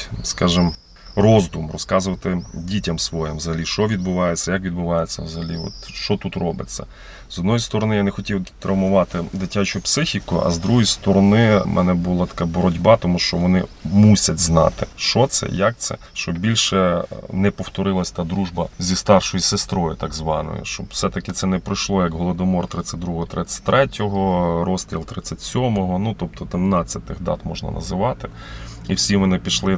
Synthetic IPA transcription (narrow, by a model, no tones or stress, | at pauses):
skɑʒɪm | rɔzd̪umrɔskɑzʊʋɐt̪ɪdʲitʲɐmsʋɔjɪmʋzɐɦɐlʲiʃt͡ʃɔʋʲid̪bʊʋɑjet͡sʲːɐjɐkʋʲid̪̚bʊʋɑjet͡sʲːɐwzɐɦɐlʲiɔ̰t̪ʃt͡ʃɔt̪ut̪rɔbɪt͡sʲːɐ̰ | z̥ɔd̪nɔjist̪ɔɾɔnɪjanɛxɔtʲiwt̪ɾɐwmʊʋɑt̪ɪd̪ɪtʲːat͡ʃʊpsɪxʲikʊʔɐ̰zd̪ɾuɦɔjist̪ɔɾɔnɪmʔɛ̰nɛbʊlˠɑt̪ɐ̥kɑbɔɾɔdʲbɑt̪ɔmuʃt͡ʃɔʋɔnɪmusʲɐtʲznɑ̰t̪ɪ̰ʃt͡ʃɔt̪sɛ̰jɐk̚t̪sɛ̰ʃt͡ʃɔbbʲilʲʃɛnɛpɔwt̪ɔɾɪlˠɐsʲt̪ɑd̪ɾuʒbɐzʲist̪ɑrʃɔjisest̪ɾɔjʊt̪ɑɡzʋɑ̰nɔ̰jʊ̰ʃt͡ʃɔbw̥sɛt̪ɐkɪt̪sɛnɛpɾɪjʃlˠɔjɐkɦɔlˠɔd̪ɔmɔrt̪ɾɪt͡sʲːɐt̚ʲd̪ɾuɦɔɦɔt̪ɾɪt͡sʲːɐ̥t̚ʲt̪ɾʔɛtʲɔɦɔɾɔsʲt̪ʲɾʲilˠt̪ɾɪt͡sʲːɐtʲsʲɔmɔɦɔnut̪ɔp̚t̪ɔd̪ɪmnɑt͡sʲːɐt̪ɪɣd̪ɑ̰t̪mɔʒnɐ̰nʔɐ̰zɪʋɑt̪ɪ | iwsʲimenɪpʲiʃlˠɪ